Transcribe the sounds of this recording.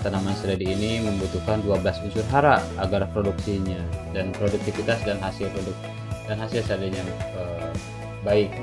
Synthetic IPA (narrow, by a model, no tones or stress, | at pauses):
t̪anamansəɾadiːniməmbut̪ukanduablasuɲsurɦaɾaːɡarpɾoduksiɲadanpɾoduk̚t̪ifit̪asdanɦasɪlpɾoduk̚ | danɦasɪlsadaɲaə | baɪk̚